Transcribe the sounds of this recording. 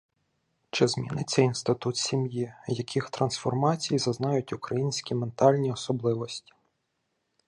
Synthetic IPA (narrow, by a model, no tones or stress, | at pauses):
t͡ʃɪzmʲinɪt͡sʲːɐinst̪ɪt̪ut̪sʲimjijɐkʲʰixt̪ɾɐnsfɔrmɑt͡sʲijzɐznɑjʊtʲʊkɾɐjinʲsʲkʲiment̪ɑlʲnʲiɔsɔblˠɪʋɔsʲtʲi̥